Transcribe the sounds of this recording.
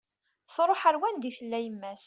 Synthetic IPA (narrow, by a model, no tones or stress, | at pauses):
θɾˤoħəɾwænd̪iθəlːæjəmːæs